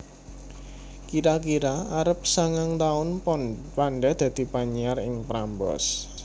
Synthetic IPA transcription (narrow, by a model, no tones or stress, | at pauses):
kiɾakiɾaaɾəp̚saŋaŋt̪aʊnpanɖad̪̥ä̤d̪̥i̤paɲiaɾrɪŋpɾambɔ̰s